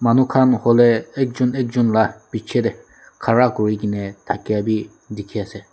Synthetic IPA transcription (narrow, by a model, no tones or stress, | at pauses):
manukʰanhɔlɛɛk̚d͡ʒunek̚d͡ʒunlapit͡ʃʰeɾɛ | kʰaɹakɔɹiɡinɛt̪ʰakiabi | d̪ikʰiasɛ